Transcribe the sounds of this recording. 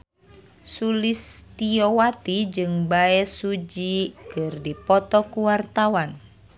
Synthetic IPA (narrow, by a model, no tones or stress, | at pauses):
sulist̪iɔwat̪id͡ʒɨŋbaɛsud͡ʒikɨrdipɔt̪ɔkuwart̪awan